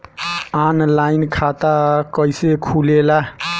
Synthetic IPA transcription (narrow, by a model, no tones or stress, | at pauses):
anlainkʰat̪akəjsekʰulela